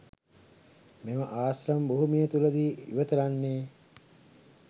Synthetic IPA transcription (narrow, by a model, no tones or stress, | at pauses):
meməʔaːsɾɐmboɦumijət̪ulɐd̪iːḭʋət̪ɐlanːeː